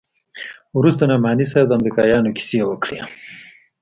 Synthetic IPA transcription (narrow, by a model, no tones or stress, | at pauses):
wɾust̪anamaːnis̬ajwd̪əamɾikɑjɑːnokʰi̥sewəkɽḛ